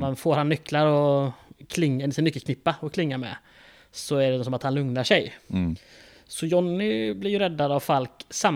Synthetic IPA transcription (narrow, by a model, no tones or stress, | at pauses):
manfoːɾhanːʏkːlaɾɔkʰlɪŋːsɪnʏkːəlkʰnɪpːaɔkʰlɪŋːaɾmɛ̰ | sɔæɖɛsɔmat̪hanlɵŋnaʂɛj | sɔjɔnːɪblɪɾjɵɾɛd̪ːad̪avfalksam